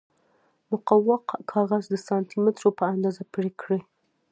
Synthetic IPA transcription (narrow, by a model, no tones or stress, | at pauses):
mʊqawːɑqkʰɑɣazd̪əsɑnt̪imɪt̪ɾopəand̪ɑzapɽekɽe